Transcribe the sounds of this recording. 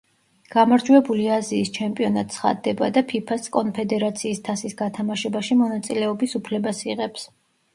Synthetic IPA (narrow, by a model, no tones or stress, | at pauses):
ɡ̥amaɾd͡ʒuɛbuliaziːst͡ʃʰɛmpʼiɔnat̪sʰχa̰d̪ːɛbad̪apʰipʰaskʼɔnpʰɛd̪ɛɾat̪sʰiːst̪ʰasisɡat̪ʰamaʃɛbaʃimɔnat̪sʼilɛɔbisupʰlɛbasiʁɛps